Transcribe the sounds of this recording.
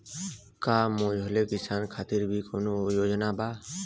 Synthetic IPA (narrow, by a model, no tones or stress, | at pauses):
kaːmõːd͡ʒʱoleːkɪsaːnkʰaːt̪iɾbʱiːkoːnoːjoːd͡ʒnaːbaː